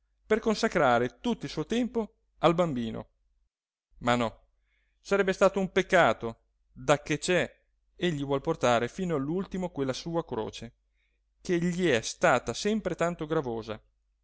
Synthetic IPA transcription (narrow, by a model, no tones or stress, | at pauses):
perkonsakɾaːɾet̪ut̪ːoilsuːot̪ɛmpo | albambiːno̰ | manɔ | saɾɛbːest̪aːt̪oumpekːaːt̪o | d̪akːet͡ʃɛ | eʎːivwɔlport̪aːɾefiːnoalːult̪imokwelːasuːakɾo̰ːt͡ʃe | keʎiɛst̪aːt̪asɛmpɾet̪ant̪oɡɾavoːza̰